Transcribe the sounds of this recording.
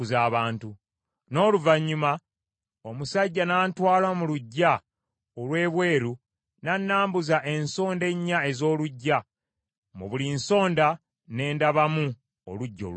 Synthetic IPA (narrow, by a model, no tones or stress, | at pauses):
uzaːβaːntu | no̞ːluvaɲːuma | omusaɟːanaːntwaːlwamuluɟːa | olwe̞ːβwe̞ːɾu | nanːaːmbuzaʔe̞nso̞ːnde̞ɲːae̞zo̞ːluɟːa | muβulinso̞ːnda | ne̞ːndaβamu | o̰luɟːo̰